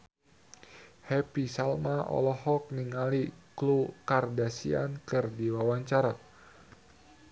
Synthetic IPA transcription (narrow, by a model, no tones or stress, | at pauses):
hɛpisalmaʔɔ̰lɔɦɔk̚niŋaliklukardasḭa̰nkɨrdiwawaɲt͡ʃaɾa